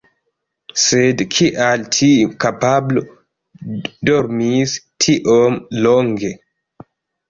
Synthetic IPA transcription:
sedkʰiʔaltʰikapablo | doɾmistʰiʔomloŋɡe

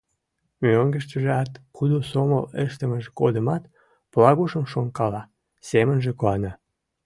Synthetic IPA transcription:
møŋɡəʃt̪əʒeɑt̪kud̪osoməleʃt̪əməʒekod̪əmɑt̪ | plɑɣoʃəmʃoŋkɑlɑ | semənʒekoɑnɑ

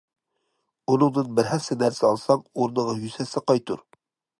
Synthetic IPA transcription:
unɨŋd̪ɨnbɪɾɦɛsɪnæɾsɪɑlˠsɑŋoɾnəʁɑjysɛsɪqɑjt̪ʰṵɾ

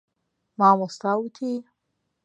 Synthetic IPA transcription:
mamost̪aut̪ʰi

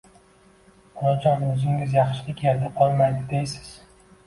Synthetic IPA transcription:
ɒlɒd͡ʒɒnʊzɪŋʲɪzjɑχʃɪlʲɪkʲʰeɾd̪aqʰɒlˠmajd̪ɪd̪ejsɪ̥z̥

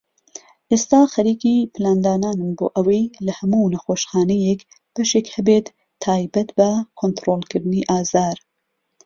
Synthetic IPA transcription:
ʔeːst̪aːxɐɾiːkipʰɨlaːnd̪aːnaːnɨmbo̰ːʔɐwɐjlɐhɐmuːnɐxoːʃxaːnɛjek | b̥ɐʃekhɐbet̪ʰː | aːjbɐt̪bɐkʰont̪ɾoːlˠkʰɨɾd̪ɨniʔaːzaːɾ

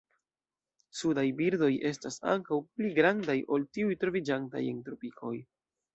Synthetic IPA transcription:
sudajbiɾdo̞jʔe̞stasa̰ŋkawpliɡɾandajʔo̞ltiujtɾo̞vid͡ʒanta̰je̞ntɾopikʰo̞j

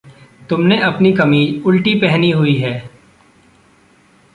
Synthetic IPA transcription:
t̪ʊmneʔɐpnikɐmiːd͡ʒʊlʈipɛɦniɦʊiɦɛː

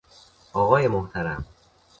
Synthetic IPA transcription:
ʔɒːɣɒːjemoht̪ʰæɾæm

